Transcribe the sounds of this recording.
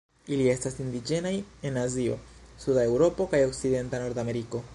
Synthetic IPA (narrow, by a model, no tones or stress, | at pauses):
ilie̞stasind̪id͡ʒe̞naje̞nazio̞̰sudae̞wɾo̞po̞kajo̞kside̞ntano̞ɾd̪ame̞ɾiko̞